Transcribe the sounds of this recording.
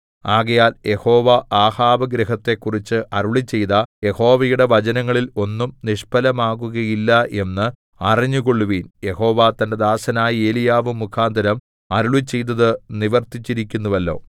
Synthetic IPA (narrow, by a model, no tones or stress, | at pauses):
aːɣɐjaːlje̞ho̞ːʋaʔaːhaːʋɐɡɾɐɦɐt̪ːe̞kːurit͡ɕːɨʔɐɾuɭit͡ɕːe̞jt̪ɐje̞ho̞ːʋɐjuɽe̞ʋɐt͡ɕɐnɐŋːɐɭilo̞nːumniʂpɐlɐmaːɣuɣɐjilːɐʔe̞nːɨ | ɐriɲːuɣoɭːuʋiːnje̞ho̞ːʋat̪ɐnde̞d̪aːsɐnaːjie̞ːlijaːʋɨmːukʰaːnd̪ʱɐɾɐm | ɐɾuɭit͡ɕːe̞jt̪̬ːɐðɨniʋɐrt̪it͡ɕːiɾikʲːunːuʋɐlːo̞̰ː